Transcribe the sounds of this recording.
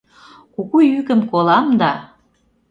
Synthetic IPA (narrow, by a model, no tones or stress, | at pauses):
kuɣujykə̆mkolɑmd̪ɑ